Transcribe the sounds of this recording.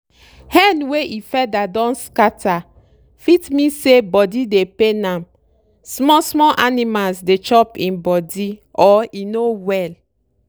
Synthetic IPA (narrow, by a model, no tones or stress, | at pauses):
hɛ̃nweʔifɛdadɔ̃nskata | fitmĩsebɔdidepenãm | smɔsmɔlʔanimalsdet͡ʃɔpĩnbɔdiɔinowɛl